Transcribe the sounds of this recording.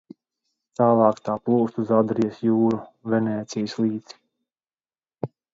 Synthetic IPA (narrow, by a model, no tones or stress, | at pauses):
t̪aːlˠɑːkt̪aːplˠuːst̪uzad̪ɾijɐsjuːɾuvɛnʲɛːt̪sijslˠiːt̪si̥